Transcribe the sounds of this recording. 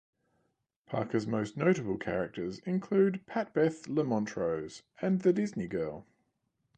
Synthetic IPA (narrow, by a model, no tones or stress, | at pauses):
pʰɑ̰ˑkəzməʊsnəʊɾəbəlˠkʰæ̰ɹɪk̚təzɪ̃nkʰl̥ʉːd̚pʰæt̚b̥ɛθləmɒ̃ntʰɹ̥əʊz̥ə̃nðədɪzniɡɜːlˠ